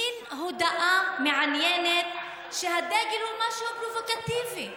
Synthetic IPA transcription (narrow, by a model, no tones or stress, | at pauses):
inɦod̪aʔameʕanjenet̪̚ | ʃeɦad̪eɡelhumaʃuapɾovokat̪ivi